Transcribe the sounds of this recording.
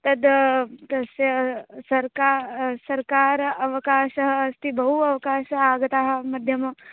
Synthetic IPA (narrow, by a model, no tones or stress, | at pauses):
t̪ɐd̪t̪ɐsjɐsɐɾkasɐɾkaːɾɐʋɐkaːʃɐɦɐst̪ibɐɦuɐʋɐkaːʃɐaːɡɐt̪aːɦɐ̆mɐd̪ʱjɐmɐ